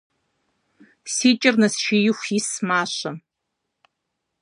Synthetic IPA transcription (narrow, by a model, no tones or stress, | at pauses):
siːt͡ʃʼɪrnɐsʃijɪxʷjismaːɕɐ